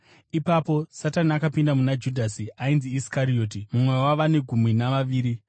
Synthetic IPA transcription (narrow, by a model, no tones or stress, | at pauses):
ipapo̞sataniakapindamunad͡ʒudʱasiainziːskaɾio̞ːtimumwe̞waʋane̞ɡʱumwinaʋaʋiːɾi